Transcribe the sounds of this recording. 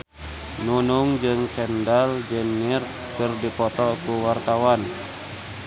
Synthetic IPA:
nunuŋd͡ʒɨŋt͡ʃɛndald͡ʒənːir | kɨrdipɔt̪ɔkuwart̪awan

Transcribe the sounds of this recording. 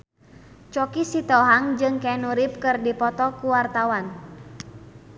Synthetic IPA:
t͡ʃɔkisit̪ɔɦaŋd͡ʒɨŋkɛnuɾip̚kɨrdipɔt̪ɔkuwart̪awan

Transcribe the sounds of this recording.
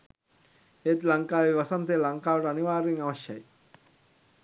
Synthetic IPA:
et̪lɐŋkaːʋiʋɐsɐnt̪eːlɐŋkaːʋɐʈəɐniʋaːɾːiŋɐʋɐʃjɐ̰j

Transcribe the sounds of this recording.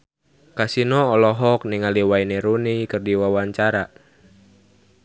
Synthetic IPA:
kasinɔɔlɔɦɔk̚niŋaliwaineɾunikɨrdiwawaɲt͡ʃaɾa

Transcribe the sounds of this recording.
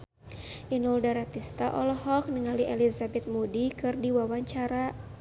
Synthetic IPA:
ʔinuldaɾat̪ist̪aʔɔlɔɦɔk̚nəŋaliʔɛlizabɛt̪̚mudikɨrdiwawaɲt͡ʃaɾa

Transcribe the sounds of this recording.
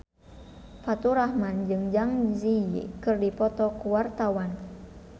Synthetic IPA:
fat̪uɾahmand͡ʒɨŋd͡ʒaŋzḭkɨrdipɔt̪ɔkuwart̪awan

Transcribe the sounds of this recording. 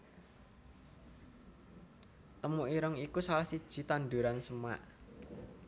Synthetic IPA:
t̪əmuʔiɾɔŋikusalahsid̥ʒ̥i̤t̪and̪uɾansəma̰ʔ

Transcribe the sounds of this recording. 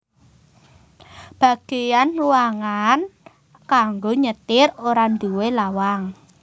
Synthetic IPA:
b̥a̤ɡ̥ejanluwaŋan | kaŋɡoɲət̪ɪroɾand̪uwelawaŋ

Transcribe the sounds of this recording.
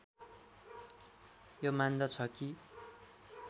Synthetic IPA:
jomand̪ʌt͡sʰʌki

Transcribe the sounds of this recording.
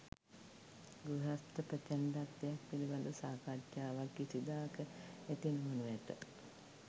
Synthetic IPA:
ɡuɦast̪əpət͡ʃænd̪at̪ːd̪ejak̚piliband̪usaːkaːt͡ʃjaːʋakːisid̪aːkəet̪inumonuʋæʈ̪ə̰

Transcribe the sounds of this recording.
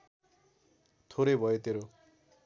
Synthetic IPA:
t̪ʰoɾejbʱʌjot̪eɾo

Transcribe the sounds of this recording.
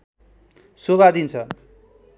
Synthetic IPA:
soβad̪int͡sʰʌ

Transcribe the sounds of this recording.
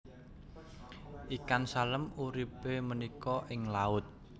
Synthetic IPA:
ʔikansaləmuɾipemənikɔʔɪŋlaʊt̪̚

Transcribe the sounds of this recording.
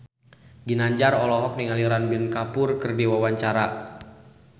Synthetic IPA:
ɡinaɲd͡ʒarɔlɔɦɔk̚niŋaliɾanbinkapʊrkɨrdiwawaɲt͡ʃaɾa̰

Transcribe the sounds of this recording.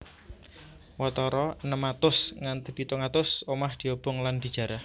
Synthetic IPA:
wɔt̪ɔɾɔnəmat̪ʊsŋant̪əpit̪ɔŋat̪ʊsomahd̪̥i̤ob̥ʊŋland̥̪i̤d̥ʒ̥a̤ɾah

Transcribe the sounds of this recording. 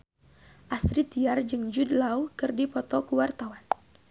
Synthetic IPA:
ʔast̪ɾit̪iard͡ʒɨŋd͡ʒud̪laukɨrdipɔt̪ɔkuwart̪awan

